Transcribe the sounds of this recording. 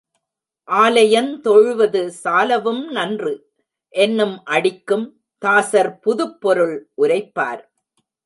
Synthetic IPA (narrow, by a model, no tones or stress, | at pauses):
ʔaːlɐjɐnt̪ɔɻʋɐðɯsaːlɐʋɯmnɐndrɯ | ʔɛnːɯmʔɐɽɪkːɯm | t̪aːsɐɾpʊðɯpːɔɾɯɭʔʊɾɐɪpːa̰ːɾ